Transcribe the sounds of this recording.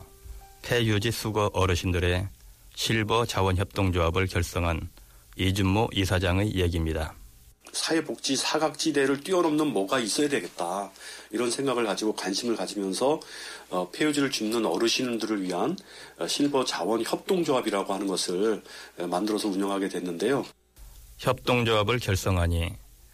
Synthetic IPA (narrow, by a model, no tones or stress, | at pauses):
pʰe̞jud͡ʑisʰuɡʌʔʌɾɯɕʰindɯɾe̞ | ɕʰiɭbʌt͡ɕawʌnçjʌp̚t͈oŋd͡ʑoɦabɯɭkjʌɭs͈ʌŋɦan | id͡ʑumːoʔisʰad͡ʑaŋejeɡimɲida | sʰaepok̚t͡ɕ͈isʰaɡak̚t͡ɕ͈ide̞ɾɯɭt͈ɥiʌɾʌmnɯnmʌɡais͈ʌjadwe̞ɡe̞t̚t͈aiɾʌnsʰe̞ŋɡaɡɯɭkad͡ʑiɡokwanɕʰimɯɭkad͡ʑimjʌnsʰʌː | pʰeud͡ʑiɾɯɭt͡ɕumnɯnʌɾɯɕʰinundɯɾɯɭɥiɦanɕʰiɭbʌt͡ɕawʌnçjʌp̚t͈oŋd͡ʑoɦabiɾaɡohanɯnɡʌsʰɯɭmandɯɾʌsʰʌuɲʌŋɦaɡe̞dwe̞nːɯnde̞jo | çjʌp̚t͈oŋd͡ʑoɦabɯɭkjʌɭs͈ʌŋɦaɲi